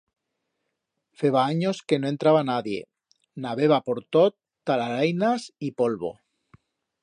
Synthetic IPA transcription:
fe̞βaaɲoske̞noe̞nt̪ɾaβanaðje̞̰ | naβeβ̞apo̞ɾt̪ot̪ːalaɾajnasipolβo̞̰

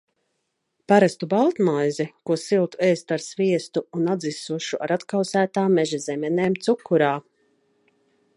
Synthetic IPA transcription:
paɾast̪ubalˠt̪majzikuɔsilˠt̪ueːst̪aɾsviɛst̪uunad̪zisuʃuʔaɾat̪kawsæːt̪aːmːɛʒɛzɛmɛneːmt̪sukːuɾaː

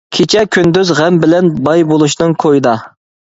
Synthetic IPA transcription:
kʲʰet͡ʃʰɛkʲʰynd̪yzʁɛmbɪlɛnbɑjbolˠuʃnɨŋkʰojɨd̪ɑ

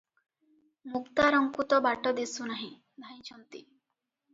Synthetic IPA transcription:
mukt̪aɾɔŋkut̪ɔbaʈɔd̪isunaɦĩ | d̪ʱaj̃t͡ʃʰɔnt̪ḭ

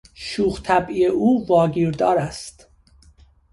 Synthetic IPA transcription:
ʃuːχt̪ʰæbijeʔuːvɒːɡiːɾd̪ɒːɾæst̪

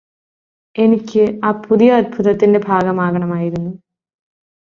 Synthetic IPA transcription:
e̞nikʲːɨaːpuðijɐːd̪̚bʱuðɐt̪ːinde̞bʱaːɡɐmaːɡɐɳɐmaːjiɾunːu

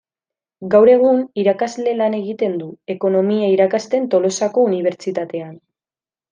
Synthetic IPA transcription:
ɡawɾe̞ɣ̞uniɾakazle̞lane̞ɣit̪e̞nd̪ue̞ko̞no̞miaiɾakast̪e̞nt̪o̞lo̞sako̞uniβ̞e̞ɾt͡ʃit̪at̪e̞an

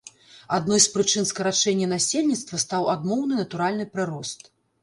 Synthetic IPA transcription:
ad̪nɔjspɾɨt͡ʂɨnskɐɾat͡ʂɛnʲːɐnasʲelʲnʲit̪st̪vɐst̪awad̪nɔwnɨnɐt̪uɾalʲnɨpɾɨɾɔst̪

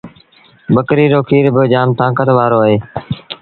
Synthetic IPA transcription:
bəkɾiːɾoːkʰiːɾbɪd͡ʒaːmt̪ãːkət̪ʋaːɾoːəɦeː

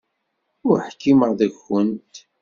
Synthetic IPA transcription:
ʊɾħkːiməɾðæɡənt̪

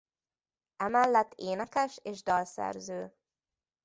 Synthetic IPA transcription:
ɛmɛlːɛt̪ːeːnɛkɛʃeːʒd̪ɒlsɛ̰rzøː

